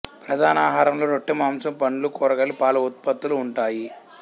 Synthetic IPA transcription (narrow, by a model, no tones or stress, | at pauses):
pɾɐd̪ʱaːnaːɦaːɾɐmlo̞ːnoʈːimaːmsɐmpɐɳːulukɔːɾɐɡɐlːipaːlɐut̪̚pɐt̪ːuluːɳʈaːji